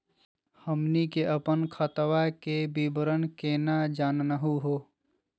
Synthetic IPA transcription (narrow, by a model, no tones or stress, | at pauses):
həmnikeʔəpənkʰət̪wakebibəɾənkeːnad͡ʒaːnnəɦuɦoː